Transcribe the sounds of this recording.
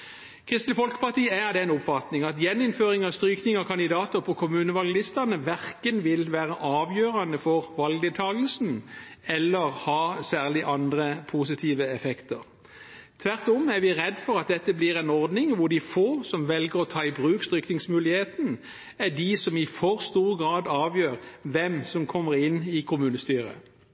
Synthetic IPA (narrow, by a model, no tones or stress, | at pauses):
kʰɪst̪ləfɔlkə̥pɑʁt̪iːəæd̪ɛɛnʊpfɑt̪nɪŋɑt̪jɛnːɪnføːʁɪŋɑʋst̪ʁyːknɪŋɑkʰɑnd̪ɪd̪ɑːt̪əʁpʰɔkʰʊmʉːnəʋɑlɡlɪst̪ənəʋæʁkənʋɪlʋæːʁəʔɑːʋjøːʁɑnəfɔʁʋɑlɡ̚d̪eːt̪ʰɑːɡəlsn̩ɛlːəʁhɑːsæːʁlɪʔɑnd̪ʁəpʰus̬ɪt̪ʰiːʋəɛfɛkt̪əʁ | t̪ʰʋæʁt̪ɔmæʁʋɪʁɛd̪ːfɔʁɑt̪̚d̪ɛt̪ːəblɪʁɛɪnɔʁd̪nɪŋʋʊd̪ɪfoːsɔmʋɛlɡəʁɔt̪ʰɑːɪbʁʉːkst̪ʁʏknɪŋsmʉːlɪheːt̪n̩ | ædɪsɔmɪfɔʁst̪uːʁəɡʁɑːd̪ɑːʋjøːʁʋɛmsɔmkʰɔmːəʁɪnːɪkʰʊmʉːnəst̪yːʁə̰